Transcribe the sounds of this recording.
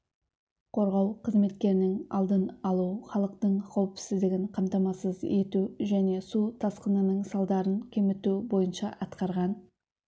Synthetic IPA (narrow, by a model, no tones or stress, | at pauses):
qʰo̞ɾʁɑwqʰəzme̞t̪kʲe̞ɾɪnɪŋɑ̰lˠd̪ənɑlˠuχɑlˠəqt̪əɴqʰɑwpsɪzd̪ɪɡʲɪɴqʰɑmt̪ɑmɑsəze̞t̪uʒæne̞sut̪ʰɑsqənənəɴsɑlˠd̪ɑɾənkʲʰe̞mɪt̪ubo̞jənʃɑʔɑt̪qɑɾʁɑn